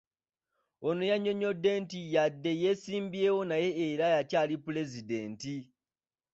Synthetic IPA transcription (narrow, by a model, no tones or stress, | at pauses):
onojaɲo̞ɲo̞dːe̞ntijadːe̞je̞siːmbiewo̞naje̞ːɾajacaːlipule̞zide̞ːnti